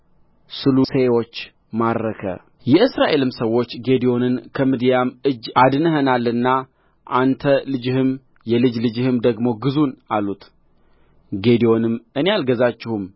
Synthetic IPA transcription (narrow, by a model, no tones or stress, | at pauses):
sɨlusewo̞t͡ʃː | mad̪ɾəkʰə̰ | jɛʔɨsɾaʔe̞lɨmsəwːo̞t͡ʃːɡe̞d̪io̞nɨnkʰəmɨd̪ijamɨd͡ʒːad̪ɨnɨɦənalːɨnːa | ʔant̪ʰəlɨd͡ʒɪhɨm | jɛlɨd͡ʒlɨd͡ʒɪhɨmd̪əɡmo̞ɡɨzunalut̪ | ɡe̞d̪ijo̞nɨmɨne̞alɡəzat͡ʃːɪhum